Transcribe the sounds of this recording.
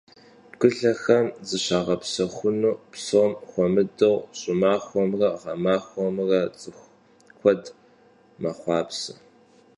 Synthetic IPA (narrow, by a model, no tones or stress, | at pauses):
ɡʷʊɮɐxɐmzɨɕaːʁɐpsɐxʷʊnuːpsomxʷɔmɨdɨʁɕʼɪmaːxʷɔmrɐʁɐmaːxʷɔmrɐt͡sʼɨxʷ | kʷʰɔd | mɐχʷɑːpsɐ